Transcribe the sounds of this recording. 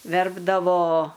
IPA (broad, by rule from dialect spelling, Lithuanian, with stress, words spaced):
ˈʋʲɛrbdɐʋoː